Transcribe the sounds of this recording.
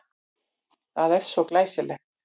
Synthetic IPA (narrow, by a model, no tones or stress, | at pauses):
aðɛsoklajsɪlɛxt̪